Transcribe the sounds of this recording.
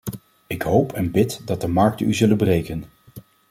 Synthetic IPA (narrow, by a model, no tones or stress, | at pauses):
ɪkɦowpʰɛnbɪtdɑt̚dəmɑɹk̚tənyzɵlənbərejkən